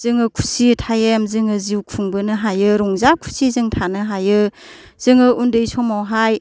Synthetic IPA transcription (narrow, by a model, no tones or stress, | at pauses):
z̥ɯŋɯkʰu̥sitʰajemzɯŋɯziwkʰuŋbɯnɯɦajɯɾɔŋzakʰu̥sizɯŋtʰanɯɦajɯ | z̥ɯŋɯʔundɯjsɔmawɦaj